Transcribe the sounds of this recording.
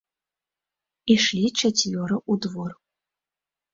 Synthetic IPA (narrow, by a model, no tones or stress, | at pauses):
iʂlʲit͡ʃɐt͡sʲvʲɔɾɐʔud̪vɔr